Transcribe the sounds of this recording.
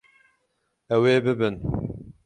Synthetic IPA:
ɛweːbɨbɨn

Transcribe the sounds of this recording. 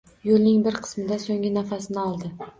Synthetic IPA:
jolˠnɪŋbɪɾqʰɨ̥smɪd̪asoŋʲɪnafasɪnɪɒlˠd̪ɪ

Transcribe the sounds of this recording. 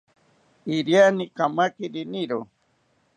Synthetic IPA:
iɾjanikamakiɾiniɾo

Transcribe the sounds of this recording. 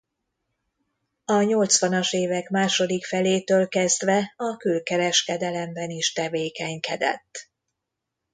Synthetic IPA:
ɒɲo̞lt̪sʋɒnɒʃeːvɛkmaːʃo̞d̪ikfɛleːt̪øːlkɛzd̪ʋɛɒkylkɛɾɛʃkɛd̪ɛlɛmbɛniʃt̪ɛveːkɛɲkɛd̪ɛ̰t̪ː

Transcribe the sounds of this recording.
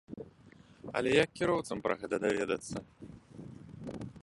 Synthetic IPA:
ɐ̰lʲɛjɐkːʲiɾɔwt̪sɐmpɾɐ̰ɣɛt̪ɐd̪avʲɛd̪ɐ̰t̪sːɐ

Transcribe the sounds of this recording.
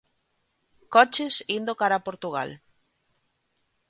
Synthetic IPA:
kɔt͡ʃesind̪okaɾapoɾt̪uɣa̰l

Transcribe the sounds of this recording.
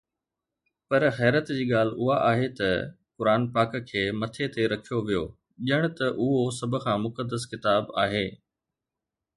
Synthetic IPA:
pɐɾxɛːɾət̪d͡ʑiːɠaːl̤ʊɦaʔaːɦet̪ɐ | kʊɾaːnpaːkkʰːeːmɐt̪ʰet̪eɾɐkʰijoʋijo̰ː | ʄɪəɽ̃t̪ɐʔʊɦosɐbʱʊ̆kʰãːmʊkəd̪ːəskɪt̪aːbaːɦeː

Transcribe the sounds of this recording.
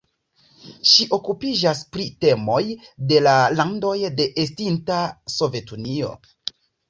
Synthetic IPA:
ʃiʔo̞kupid͡ʒaspɾite̞mo̞jde̞lalando̞jde̞ʔestintaso̞ve̞tunio̞̰

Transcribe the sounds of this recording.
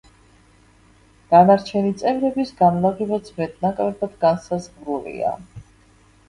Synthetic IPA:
ɡ̥anaɾt͡ʃʰɛnit̪sʼɛvɾɛbisɡanlaʁivad̪smɛt̪̚nakʼɾɛbʰad̪ɡansazʁɾulḭa̰

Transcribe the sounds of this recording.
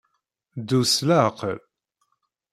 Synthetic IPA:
d̪uslaqə̰l

